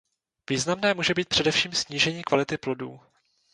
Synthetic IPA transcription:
viːznamnɛːmuːʒɛbiːt̪̚pr̝̥ɛdɛfʃiːmsɲiːʒɛɲiːkvalɪt̪ɪplo̞dṵː

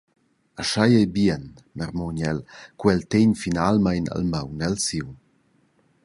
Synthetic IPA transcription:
aʃajɛjbiɛn | mɛrmɔɲɛlkwɛlt̪eɲfinalmajna̰lməwnɛlsiw

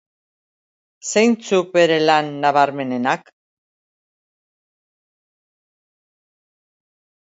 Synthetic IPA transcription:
sejnt͡suk̚be̞ɾe̞lanːaβaɾme̞ne̞nak

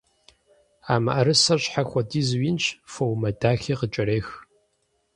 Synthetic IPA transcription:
aːmɐ̰ʔɐɾɨsɐɕħaxʷɔdiːzwinɕfowmɐdaːxiːqət͡ʃʼɐɾeːx

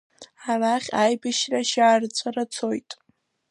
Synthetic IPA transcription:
araχʲajbɨʃraʃaːrt͡sʷʰʼarat͡sʰojtʼ

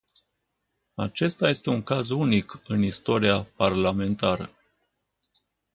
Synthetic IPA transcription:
at͡ʃe̞st̪aje̞st̪e̞uŋkazunikɨnist̪o̞ɾiaparlame̞nt̪aɾə

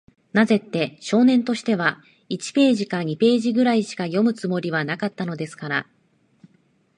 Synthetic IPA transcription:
naze̞t̪ːe̞ɕo̞ːnẽ̞nt̪o̞ɕi̥t̪e̞βa | it͡ɕi̥pe̞ːʑikaɲ̟ipe̞ːʑiɡɯ̟ɾaiɕi̥kajo̞mɯ̟t͡sɨmo̞ɾʲiβ̞anakat̪ːano̞d̪e̞sɨ̥kaɾa̰

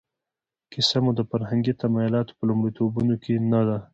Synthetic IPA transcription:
kɪsamud̪əfaɾhaŋɡit̪amɑjʊlɑt̪o̥pəlʊmɽit̪obunokenad̪a

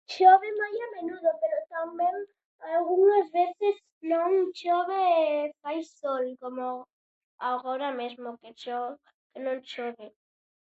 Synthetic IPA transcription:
t͡ʃoβemajamẽnuðopeɾot̪ambẽŋ | alɣuŋazβeθez | nõŋt͡ʃoβefajsolkomo | aɣoɾamezmoket͡ʃo | kenõŋt͡ʃoβe

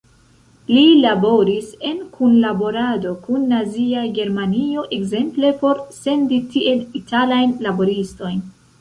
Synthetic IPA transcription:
lilabo̞ɾise̞nkʰunlabo̞ɾado̞kunːaziaɡe̞ɾmanio̞ʔe̞ɡze̞mple̞po̞ɾse̞nditiʔe̞litalajnlabo̞ɾisto̞jn

